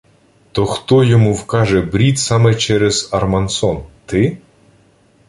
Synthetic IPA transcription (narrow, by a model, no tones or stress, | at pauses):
t̪ɔxt̪ɔjɔmuwkɑʒɛbɾʲit̪sɑmɛt͡ʃɛɾɛz̥ɐrmɐnsɔnt̪ɪ